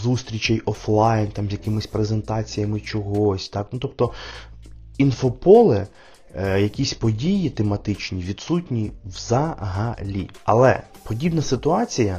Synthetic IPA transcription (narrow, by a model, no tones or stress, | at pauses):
zust̪ɾʲit͡ʃɛjɔflˠɑjnt̪ɑmzʲjɐkɪmɪsʲpɾezent̪ɑt͡sʲijɐmɪt͡ʃɔɦɔsʲt̪ɑknut̪ɔp̚t̪ɔ | infɔpɔlˠɛ | jɐkʲisʲpɔdʲijit̪emɐt̪ɪt͡ʃnʲiʋʲid̪sutʲnʲiwzɐɦɐlʲḭɐ̰lˠɛ̰ | pɔdʲibnɐsɪt̪ʊɑt͡sʲijɐ